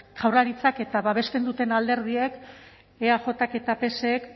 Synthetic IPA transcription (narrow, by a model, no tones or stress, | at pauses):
ʝ̥awrlaɾit͡sake̞t̪aβaβe̞st̪e̞nd̪ut̪e̞nald̪e̞ɾð̞ie̞k | eaʝo̞t̪ake̞t̪ape̞se̞k